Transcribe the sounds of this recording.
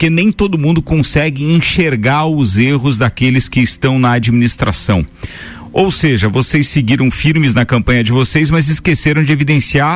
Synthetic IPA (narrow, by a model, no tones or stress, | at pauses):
kenẽj̃t̪od̪ʊmũnd̪ʊkõsɛɡɪĩʃeɾɡaɾʊzeɦʊzd̪akelɪskɪːst̪ɐ̃w̃nɐad͡ʒiminist̪ɾa̰sɐ̃w̃ | owseʒɐvosesːɪɡiɾɐ̃w̃fiɾmɪznɐkɐ̃mpɐ̃ɲɐd͡ʒɪvosezmɐzɪskeseɾɐ̃w̃d͡ʒɪevid̪ẽsiaɾ